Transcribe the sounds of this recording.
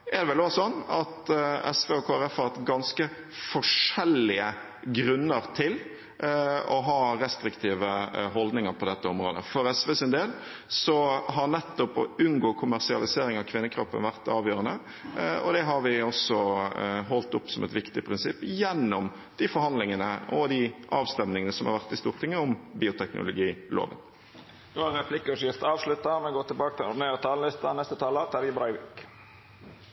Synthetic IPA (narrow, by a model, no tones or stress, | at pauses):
ɛɾd̪ɛʋɛloːsɔnːɑt̪ɛ̰sʋeːoːkʰoːæɾɛfhɑɾɛt̪ɡɑnskə | fɔʂɛlːɪə | ɡɾʉnːəɾt̪ʰɪl | ɔɦɑːɾɛst̪ɾɪkt̪ʰiːʋəɦɔld̪nɪŋəɾpʰɔd̪ɛt̪ːəɔmɾoːd̪ə̰fɔɾɛsʋeːsɪnd̪eːl | sɔɦɑnɛt̪ːɔpɔ̰ʉnɡoːkʰʊmæɾsɪɑ̰lɪseːɾɪŋɑʋkʰʋɪnːəkʰɾɔpːə̰nʋæʁt̪ɑːʋjøːɾənə | ɔ̰d̪ɛɦɑɾʋɪɔsɔɦɔlt̪ʊpːsɔmɛt̪ʋɪkt̪ɪpʰʁɪnsɪpːjɛnːʊm | d̪̥ifɔɾhɑnlɪŋənəʔɔd̪iʔɑːʋst̪ɛmnɪŋənəsɔmhɑ̰ɾʋæʁt̪ɪst̪uːʁt̪ʰɪŋːəʊmbiːʊt̪ʰɛknʊ̰lʊɡiːlo̰ːʋə̰n | d̪oːɑɾɛpʰlɪkːəɾɔʃɪft̪ɑːʋʂlʉt̪ɑmɛɡoːt̪ɪlbɑːkət̪ʰɪlʊneːɾət̪ʰɑːləlɪst̪ɑnɛst̪ət̪ʰɑːlət̪ʰɑɾjəbɾɑɪʋɪk